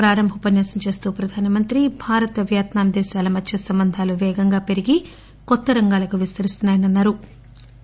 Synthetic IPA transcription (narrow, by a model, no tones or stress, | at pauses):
ɾaːɾɐmbʱɐpɐnjaːsɐnt͡ʃe̞ːst̪uːpɾɐd̪ʱaːnɐmɐnt̪ɾibʱaːɾɐt̪ɐʋjaːt̪naːmd̪ɛːʃaːlɐmɐt͡ʃt͡ʃːɐsɐmbɐnd̪ʱaːluʋɛːɡɐŋɡaːpe̞ɾiɡi | kɔt̪ːɐɾɐŋɡaːlɐkuʋist̪ɐɾist̪unːaːjɐnɐnːaːɾu